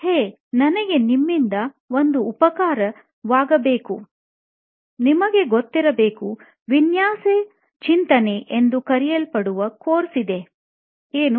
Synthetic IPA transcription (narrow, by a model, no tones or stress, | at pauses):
heː | nɐnɐɡe̞nimːind̪ɐ | o̞nd̪uːpɐkaːɾɐ | ʋaːɡɐbe̞ːku | nimɐɡe̞ɡot̪ːiɾɐbe̞ːku | ʋinjaːse | t͡ʃint̪ɐne̞ʔend̪ukɐɾijɐlpɐɽuʋɐkoːɾsid̪e̞ | eːnu